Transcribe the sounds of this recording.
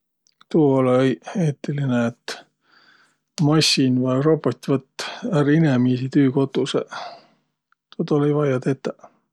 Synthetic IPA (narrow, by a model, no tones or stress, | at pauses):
t̪uːolejeːt̪ːilineet̪ | mɑsʲinvɑjropot̪ʲːvɤt̪ːˑærinemiːsit̪yːko̞t̪ːˑusḛ | t̪ot̪olejvɑjɑt̪et̪ːˑɑ